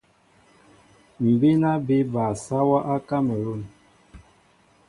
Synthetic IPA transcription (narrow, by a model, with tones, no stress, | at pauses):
m̩˨be˦na˦be˦ba˨sa˦wa˦ʔa˦ka˦mə˨ɾo˦˨n